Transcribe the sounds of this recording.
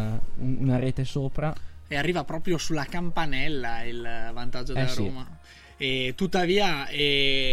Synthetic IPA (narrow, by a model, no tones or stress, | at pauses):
unaɾeːt̪esoːpɾaearːiːvapɾɔːpɾjosulːakampanɛlːailvant̪ad͡ʒːodelaɾoːma | ɛt̪ut̪ːaviːaɛ